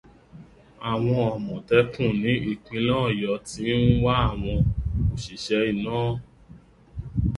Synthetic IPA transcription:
a˨w̃ɔ̃˧ɔ˨mɔ̃˨tɛ˧˦kũ˦˨nĩ˨˦ʔi˦˨k͡pĩ˧lɔ̃ː˦˨jɔ˨˧ti˨˦n̩˦wa˦a˦˨w̃ɔ̃˧o˨ʃi˨ʃɛ˧i˨nɔ̃ː˦

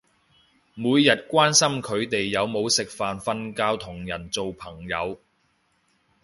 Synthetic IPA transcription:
muː˨˧jːɐ˨t̚kʷaː˥nsɐ˥mkʰɵ˨˧ɥt̪e˨jːɐ˨˧wmo˨˧wsɪ˨k̚faː˨nfɐ˧nkaː˧wt̪ʰʊ˨˩ŋjɐ˨˩nt͡so˨wpʰɐ˨˩ŋjɐ˨˧w

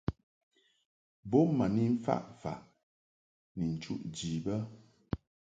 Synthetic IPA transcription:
bo˦ma˨ni˦m̩˦fa̰˦˨ʔfa̰˨ | ni˨n̩˨t͡ʃṵ˦ʔd͡ʒi˨bə˦

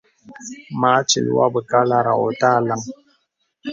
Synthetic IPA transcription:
maː˨˦t͡ʃḭ˨lḭ˦wa̰˦bɨ˨ka˦la˦ɾa̰˨ɔ˨ta˦˨la˦ŋ

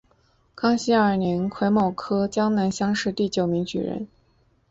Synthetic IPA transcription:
kʰɑ˥ŋɕi˥ə˞˨˩ni˧˥nkʰwe˧˥ɪmɑ˥˩ʊkʰɤ˥t͡ɕjɑ˥ŋna˧˥nɕjɑ˥ŋʂɻ̩˥˧t̪i˥˩t͡ɕjo˨˩ʊmi˧˥ŋt͡ɕy̰˨˩ɻə̰˧˥n

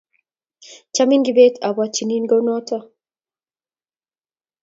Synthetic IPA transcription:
t͡ʃa˦mi˦ŋɡi˨be˦tʰa˨βa˦t͡ʃi˨ni˦nɡa˦wnɔ˦ta˦

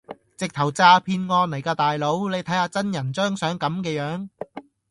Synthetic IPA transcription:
t͡sɪ˨k̚t̪ʰɐ˨˩wt͡saː˧pʰiː˧nŋɔː˧nlɐ˨˩jkaː˧t̪aː˨jlo˨˥wle˨˧jt̪ʰɐ˨˥jhaː˧t͡sɐ˥njɐ˨˩nt͡ʃœː˥ŋsœː˨˥ŋkɐ˨˥mkɛː˧jœː˨˥ŋ

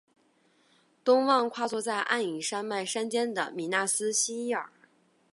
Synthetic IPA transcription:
t̪ʊ˥ŋwɑ˥˧ŋkʰwa˥˧t͡swɔ˥˧t͡sa˥˧ɪʔa̰˥˩ni˨˩ʂa˥nma˥˩ɪʂa˥nt͡ɕjɛ˥nd̪ə̰˨˩mi˨˩na˥˩sɹ̩˥ɕi˥i˥˩ə̰˞˨˩˦

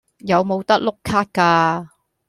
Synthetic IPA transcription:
jɐ˨˧wmo˨˧wt̪ɐ˥k̚lʊ˥kʰːaː˥t̚kaː˧

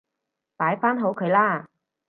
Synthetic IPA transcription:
paː˨˥jfaː˥nɦo˨˥wkʰɵ˨˧ɥlaː˥

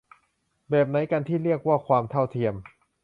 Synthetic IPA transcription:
bɛː˨˩p̚na˨˦˥jka˧nt̪ʰiː˥˩ɾi˥˩ək̚waː˥˩kʰwaː˧mt̪ʰa˥˩wt̪ʰi˧əm

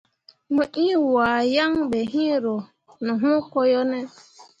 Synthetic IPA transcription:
mʊ˨ʔi˦wa˨ja˦ŋ˦be˨ɦi˦ɾo˨ | nʊ˨ɦʊ˦kɔ˦jɔ˦ne˦

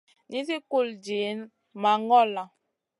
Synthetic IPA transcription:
ni˦si˦ku˦˨ld͡ʒi˨˦n | ma˨ŋɡɔ˦˨la˨

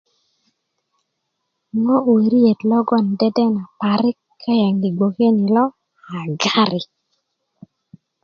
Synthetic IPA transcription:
ŋɔ˦we˨ɾi˦e˨tlɔ˦ɡɔ˦˨n˨dɛ˦dɛ˦na˨pa˨ɾɪ˦kʰːa˦ja˨ŋɡi˨ɡo˨ke˦ni˨lɔ˦ | a˨ɡa˦ɾɪ˨

